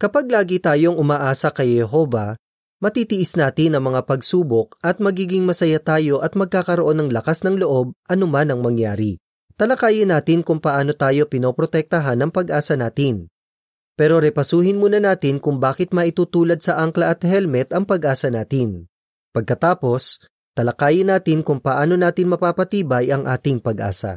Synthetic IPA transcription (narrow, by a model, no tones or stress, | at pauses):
kɐpaɡ̚laːɡɪit̪aːjo̞ŋʔʊmaːʔaːsɐkɐjɛɦo̞ːvɐ | mɐt̪iːt̪ɪʔɪsnaːt̪ɪnɐŋmɐŋapɐɡsuːbo̞k̚ʔɐt̪̚mɐɡiːɡɪŋmɐsɐjat̪aːjo̞ʔɐt̪mɐɡ̚kaːkɐɾoʔo̞nːɐŋlɐkasnɐŋlo̞ʔo̞b̚ʔɐnomanɐŋmɐŋjaːɾi | t̪ɐlɐkaːjɪnaːt̪ɪnkʊŋpɐʔaːno̞t̪aːjo̞pɪno̞ːpɾot̪ɛk̚t̪ɐɦanɐŋpɐɡʔaːsɐnaːt̪ɪn | pɛːɾo̞ɾɛpɐsuːhɪnmuːnɐnaːt̪ɪnkʊŋbaːkɪt̪̚mɐʔɪt̪uːt̪uːlɐd̪̚sɐʔɐŋklɐʔɐt̪hɛlmɛt̪ʔɐŋpɐɡʔaːsɐnaːt̪ɪn | pɐɡ̚kɐt̪aːpo̞s | t̪ɐlɐkaːjɪnaːt̪ɪnkʊŋpɐʔaːno̞naːt̪ɪnmɐpaːpɐt̪iːbɐjɐŋʔaːt̪ɪŋpɐɡʔa̰ːsɐ̰